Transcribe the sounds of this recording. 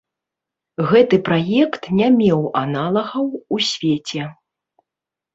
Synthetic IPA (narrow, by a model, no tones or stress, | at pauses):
ɣɛt̪ɨpɾajɛkt̪nʲamʲɛwa̰nalˠɐɣɐwusʲvʲet͡sʲɛ